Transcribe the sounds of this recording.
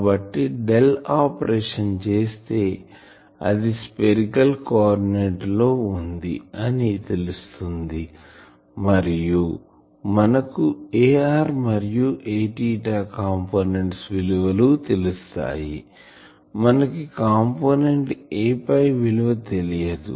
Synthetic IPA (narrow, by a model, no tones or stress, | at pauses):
bɐʈːiɖelaːpɐɾeːʂɐnt͡ʃe̞ːst̪e̞ː | ɐ̰d̪ispeɾikɐlkaːɾineʈlo̞ːund̪iɐnit̪e̞lust̪und̪i | mɐɾiju | mɐnɐkueːaːɾmɐɾijuʔeːʈiːʈaːkaːmpoːne̞ɳʈsʋiluʋɐlut̪e̞lust̪a̰ːjḭ | mɐnɐkikaːmpoːne̞ɳʈeːpɐjʋiluʋɐt̪e̞lijɐd̪ṵ